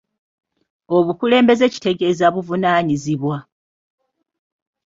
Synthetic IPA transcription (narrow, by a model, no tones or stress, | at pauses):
o̞βukule̞ːmbe̞ze̞ci̥te̞ɡe̞zaβuvunaːɲiziβwa